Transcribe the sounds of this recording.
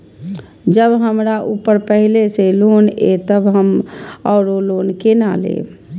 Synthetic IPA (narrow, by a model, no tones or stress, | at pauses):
d͡ʒəbɦəmɾaʔupəɾpəɦileselonet̪əbɦəmɔːɾolonkena̰lḛ